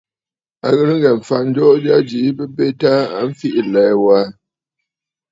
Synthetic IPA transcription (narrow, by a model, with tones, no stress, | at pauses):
a˨ɣə˦ɾŋ̩˦ɡɛ˨ɱ˨fa˨n̩˦d͡ʒɔ˦ʔd͡ʒa˦d͡ʒi˨˦bə˦be˦ta˦a̰˨ɱ̩˦fi˦ʔi˨lɛ˨˦wa˦